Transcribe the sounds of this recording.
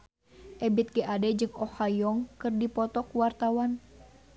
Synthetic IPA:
ʔɛbit̪̚kɛʔadɛd͡ʒɨŋɔhajɔŋkɨrdipɔt̪ɔkuwart̪awan

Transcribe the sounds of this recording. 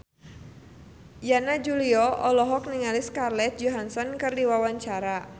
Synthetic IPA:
janad͡ʒuliɔʔɔlɔɦɔk̚niŋaliskarlɛt̪̚d͡ʒɔɦansɔnkɨrdiwawaɲt͡ʃaɾa

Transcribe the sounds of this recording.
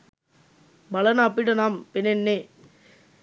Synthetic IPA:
bɐlɐnaːpːɪɽɐnaːmpɪnenːeː

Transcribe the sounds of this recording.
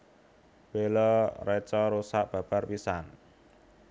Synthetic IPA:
welɔrɛt͡ʃɔɾusaʔb̥ä̤b̥arpisan

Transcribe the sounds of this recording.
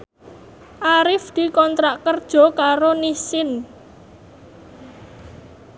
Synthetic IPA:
ʔaɾɪfd̪̥i̤kɔnt̪ɾaʔkərd̥ʒ̥ɔ̤kaɾonisɪn

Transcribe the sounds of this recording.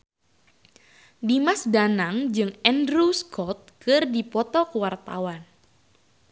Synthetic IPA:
dimasdanaŋd͡ʒɨŋɛndɾuskʰɔt̪̚kɨrdipɔt̪ɔkəwart̪a̰wan

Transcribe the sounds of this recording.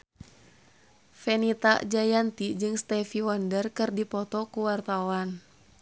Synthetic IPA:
fɛnit̪a̰ʔd͡ʒajant̪id͡ʒɨŋst̪ɛfiwɔndərkɨrdipɔt̪ɔkuwart̪awan

